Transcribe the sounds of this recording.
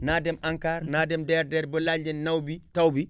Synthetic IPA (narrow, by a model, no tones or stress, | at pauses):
naːdɛmʔaŋkaːɾnaːdɛmdɛːɾdɛːɾbəlalɟennawbitawbi